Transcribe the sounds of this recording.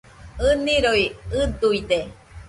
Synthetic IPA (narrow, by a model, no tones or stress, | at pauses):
ɯnĩɾoiɨd̪uid̪e